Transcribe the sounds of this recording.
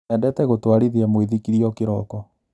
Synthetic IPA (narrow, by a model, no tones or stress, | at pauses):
ɛndɛtɛɣotwaɾiðeamweðikiɾiɔkeɾɔkɔ